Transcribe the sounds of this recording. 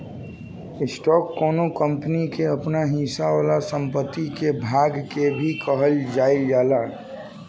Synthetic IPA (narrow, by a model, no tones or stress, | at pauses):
ɪsʈɔːkːoːnokəmpənikeəpnaɦĩsaalasə̃mpət̪ːikebʱaːɡkebʱikəɦəld͡ʒaːild͡ʒaːlaː